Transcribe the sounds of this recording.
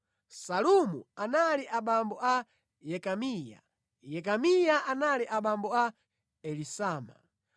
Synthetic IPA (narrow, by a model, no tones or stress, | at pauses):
salumuanaliʔaɓambɔʔa | jɛkamiːja̰ | jɛkamijaʔanaliʔaɓambɔa | ɛlisaːma̰